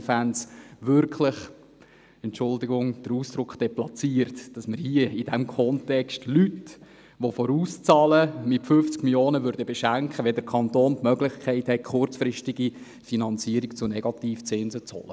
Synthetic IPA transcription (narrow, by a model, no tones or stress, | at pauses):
fænsʋʏrkʰləχ | ɛntt͡ʃʊldiɡʊŋd̥əɾuːsd̥ɾʊkχd̥ɛplɑt͡siəɾtd̥ɑsməɾhiəid̥æmkʰɔntɛkstlyt | ʋofɔɾuːst͡sɑːləmɪtfʏft͡skmiljoːnəvʋʏɾdəbeʃæŋkχəʋɛd̪əɾkʰɑnt̪oːntmœɡlɪχkʰχɛɪthɛt̚kʰχʊrt͡sfɾɪʃtiɡ̥i | finɑnt͡siəɾikt͡sʊnɛɡ̥ɑt̪iːft͡sɪnzət͡shɔ̰lə